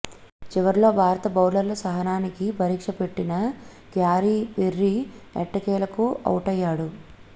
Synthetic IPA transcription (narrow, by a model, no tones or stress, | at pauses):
t͡ʃiʋɐɾlo̞ːbʱaːɾɐt̪ɐbɐwlɐɾlɐsɐɦɐnaːnikipɐɾiːkʂɐpe̞ʈːinɐ | ɡjaːɾipeɾːiɛ̰ʈːɐkɛːlɐkuɐ̰wuʈɐjːaːɽu